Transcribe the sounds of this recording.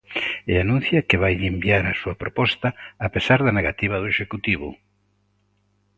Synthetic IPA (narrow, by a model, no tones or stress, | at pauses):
eanũn̟θjɐkeβajembiaɾasuɐpɾopɔst̪ɐːpesaɾðɐneɣat̪iβ̞ɐðʊeʃekut̪iβʊ̰